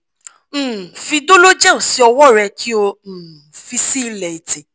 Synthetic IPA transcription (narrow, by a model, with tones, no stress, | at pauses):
fi˧do˦lo˦d͡ʒã˦˨õ˨si˦ɔ˧wɔ˦˨ɾɛ˧kʰi˦õ˧˨fi˧si˦lɛ˧i˨tĩ˨